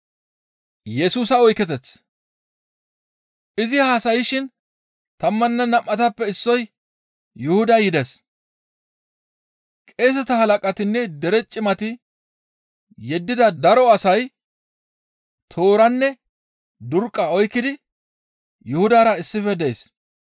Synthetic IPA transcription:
jɛsuːsɐɔjkːɛt̪ɛt͡sː | ʔɪzɪhaːsɐjɪʃɪn | t̪ɐmːɐnːɛnɐmʔːɐt̪ɐpːɛɪsːɔj | jʊhʊd̪ɐjɪd̪ɛs | kʼe̞ːs̬ɛt̪ɐhɐlɐkʼɐt̪ɪnːɛd̪ɛɾɛt͡ʃʼːɪmɐt̪ɪ | jɛd̪ːɪd̪ɐd̪ɐɾɔɐsɐj | t̪ʰo̞ːɾɐnːɛ | d̪ʊɾkʼːɐɔjkːɪd̪ɪ | jʊhʊd̪aːɾɐɪsːɪfɛd̪ɛs

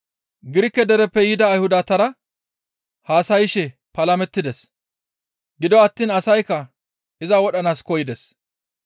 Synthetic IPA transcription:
ɡɪɾɪkːɛd̪ɛɾɛpːɛjɪd̪ɐːjhʊd̪at̪ɐɾɐ | haːsɐjɪʃɛ | pɐlɐmɛt̪ːɪd̪ɛs | ɡɪd̪ɔɐt̪ːiːnɐsɐjkːɐ | ɪzɐwɔɗɐnaːskɔjɪd̪ɛs

